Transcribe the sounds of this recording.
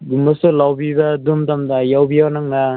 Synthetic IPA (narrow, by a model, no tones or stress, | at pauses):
ɡumbɐsulawbibadumtamdajawbijawnaŋla